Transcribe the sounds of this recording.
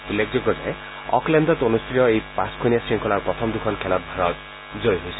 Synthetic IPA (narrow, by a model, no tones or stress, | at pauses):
ulːek̚ʰzoɡɔza̰j | ɔ̰klɛndɔtonustitɔejpaskʰonijasɹiŋkʰɔlaɹpɹɔt̪ʰɔmd̪ukʰɔnkʰɛlɔt̚bʱaɹɔt | zojɦojsi